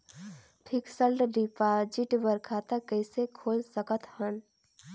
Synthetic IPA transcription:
pʰiksəlɖɖipad͡ʒiʈbəɾkʰaːt̪akəɪsekʰoːlsəkət̪hən

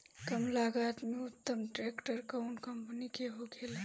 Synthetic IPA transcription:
kəmlaɡat̪meut̪ːəmʈɾekʈəɾkəwnkəmpnikeɦoɡel

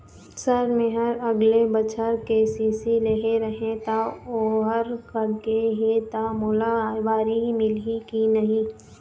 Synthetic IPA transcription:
sɐɾmẽɦəɾɐɡlebət͡ʃəɾkeːsiːsileɦeɾəɦẽt̪aoːɦəɾkəkeɦet̪amʊlaʋaːɾimɪlikinɐɦĩː

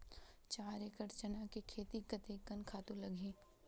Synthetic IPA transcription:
t͡ʃaːɾekɐɾt͡ʃənakikʰeːt̪ikɐt̪ekɐnkʰaːt̪ũlɐɡʱẽː

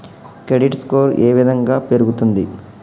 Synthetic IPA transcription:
kɾeɖiʈskoːɾeːʋid̪ʱɐŋɡaːpeɾuɡut̪und̪i

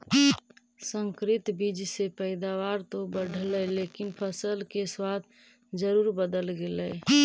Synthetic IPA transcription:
sə̃ŋkɾit̪bid͡ʒsepəɪd̪awaɾt̪obəɽʱləlekinpʰəsəlkeswat̪ʰ | d͡ʒəɾuɾbəd̪əlɡelə

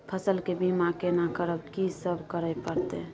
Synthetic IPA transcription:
pʰəsəlkebimakenakəɾəbkisəbʱkəɾəjpəɾt̪e

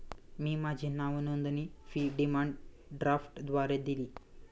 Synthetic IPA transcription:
miːmad͡ʑʱinaʋnond̪niːfiːɖimaɳɖ | ɖɾafʈd̪ʋaɾed̪iliː

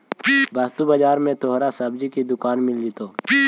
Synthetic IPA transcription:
bɐst̪ubəd͡ʒaːɾmẽt̪oɦɾasɐbd͡ʒikid̪ʊkaːnmɪld͡ʒit̪oː

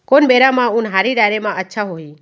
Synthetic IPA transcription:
kɔnbɛɾamaunɦaɾiɖajɾɛmaətːʃʰaɦoɦi

